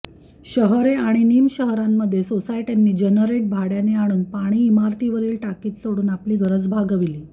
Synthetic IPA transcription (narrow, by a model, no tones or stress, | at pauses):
ɕəɦɾeaɽ̃iniːmɕəɦɾamːəd̪ʱːjesosaiʈjanːiːd͡ʑənəɾeʈ̚bʱaɽjaneaɽ̃uːnpaɽ̃iːmaɾt̪iʋəɾiːlʈakiːt͡s̪soɽuːnapliːɡəɾəd͡zbʱaɡəʋiliː